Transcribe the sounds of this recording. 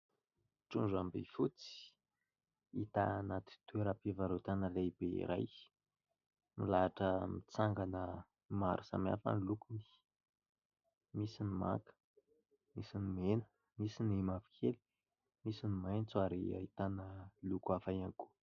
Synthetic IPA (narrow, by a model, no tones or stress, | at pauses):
ʈ͡ʂuɳɖ͡ʐambḛfut͡si̥ | it̪anat̪i̥t̪ueɾapivaɾot̪anəlebeḭɾa̰j | milaʈ͡ʂəmit͡saŋɡanə | maɾusa̰ma̰fa̰nlukuni̥ | misinima̰kə̥ | misinimenə̥ | misinimavi̥kʰeli̥ | misinimajnt͡suaɾia̰it̪anəlukuafajaŋku̥